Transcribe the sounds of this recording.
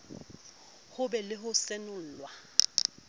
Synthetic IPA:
hʊbɛlɪhʊsenʊl̩ːlwa

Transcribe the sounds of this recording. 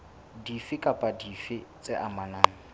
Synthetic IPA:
difɪkʼapʼadifɪt͡sʼɪʔamanaːŋ̩

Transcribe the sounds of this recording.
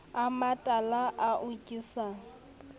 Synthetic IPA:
amatʼalaʔaʔʊkʼisaːŋ̩

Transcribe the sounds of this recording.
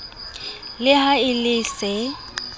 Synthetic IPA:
lɪhaɪlɪsɪ

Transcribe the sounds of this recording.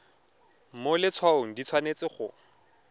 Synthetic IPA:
molɪt͡sʰwaoŋ̩dit͡sʰwanet͡sɪχʊ

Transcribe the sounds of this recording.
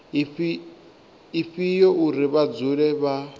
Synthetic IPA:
ifijɔʔuɾiβad͡zuɺɛβa

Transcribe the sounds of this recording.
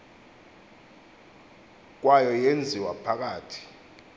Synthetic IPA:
k̬wajɔjend͡zʱiwapʰak̬aːtʰi̥

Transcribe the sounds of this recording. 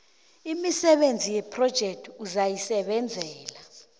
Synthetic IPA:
imisɛɓend͡zʱijɛpʰrɔd̥ʒ̥ʱɛk̚tʰuzajisɛɓɛnd͡zʱɛːla

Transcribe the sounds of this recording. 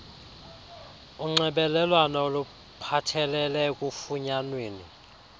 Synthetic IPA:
uŋ͡ǀɛɓɛlɛlwanaolu | pʰatʰɛlɛlɛk̬ʼufuɲanweːnḭ

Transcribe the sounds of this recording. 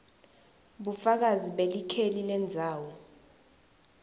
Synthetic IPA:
ɓufak̬aziɓelikʰelilɛnd͡zʱaːwɔ

